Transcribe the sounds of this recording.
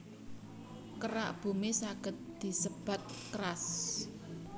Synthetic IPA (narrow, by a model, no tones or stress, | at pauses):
kəɾa̰ʔb̥ṳmesaɡ̥ə̤t̪̚d̪̥i̤səb̥a̤t̪̚kəɾas